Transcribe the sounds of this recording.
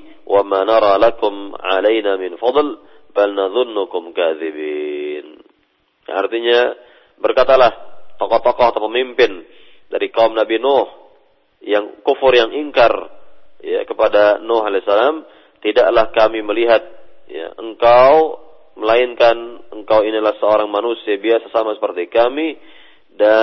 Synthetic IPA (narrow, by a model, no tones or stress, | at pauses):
wʔamanɑɾˤɑlakʊmʕa̰lajnamɪnfɑd̪ˤl | balnaðʊnːʊkʊmkaðibiːn | a̰rt̪iɲa | bərkat̪alaht̪ɔkɔt̪ɔkɔhat̪apəmimpɪn | daɾikaumnabinɔh | jaŋkufʊrjaŋʔiŋkarja̰kəpadanɔɦalɛsalam | t̪idaʔlahkamiməliɦat̪̚ja̰ʔəŋkaw | məlaɪnkanəŋkawinilahsəoɾaŋmanusiabiasasamasəpərt̪ikami | da